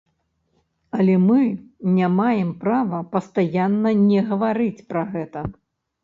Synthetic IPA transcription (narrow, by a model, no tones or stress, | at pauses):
ɐlʲɛmɨnʲamajɛmpɾavɐpɐst̪ajanːɐnʲɛɣɐvaɾɨt͡sʲpɾɐɣɛt̪ɐ